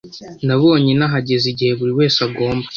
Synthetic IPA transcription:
naβoːɲenaɦaɟe̞ziɟihe̞βuɾiwe̞ːsaɡo̞ːmbḁ

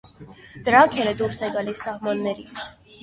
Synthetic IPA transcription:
d̪̥əɾɑkʰɛlɛd̪uɾsɛɡɑlisːɑhmɑnːɛɾit͡sʰ

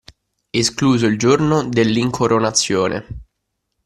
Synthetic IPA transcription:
eskluːzoild͡ʒornod̪elːiŋkʰoɾʔonat̪sːjoːnʔḛ

